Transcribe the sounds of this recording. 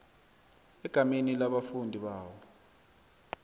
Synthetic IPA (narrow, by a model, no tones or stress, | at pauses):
ɛɡ̥ʱaminilaɓafundʱiɓaːwɔ